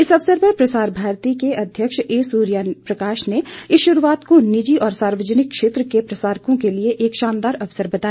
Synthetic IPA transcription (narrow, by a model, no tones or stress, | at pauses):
ɪsɐʋsəɾpɐɾpɾɐsaːɾbʱaːɾt̪ikeɐd̪ʱjəkʃeːsuːɾjapɾɐkaːʃneɪsʃʊɾuaːt̪konɪd͡ʒiʔɔːɾsaːɾʋəd͡ʒənɪkːʃeːt̪ɾəkepɾɐsaːɾkõkelieʔeːkʃãːnd̪aːɾɐʋsəɾbɐt̪aː